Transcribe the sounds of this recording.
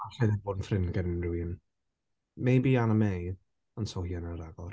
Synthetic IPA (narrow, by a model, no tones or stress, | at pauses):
aɬɛðɪboːdn̩frɪnɡənnrwin | mejbianəmej | ɔnsohiːanəɾaɡɔɾ